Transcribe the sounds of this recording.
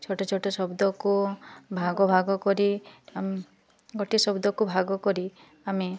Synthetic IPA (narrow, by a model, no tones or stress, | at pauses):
t͡ʃʰoʈot͡ʃʰoʈɔsɔbd̪ʱɔkubʱaɡɔbʱaɡɔkɔɾiam | ɡɔʈisɔbd̪ʱɔkubʱaɡɔkɔɾi | ami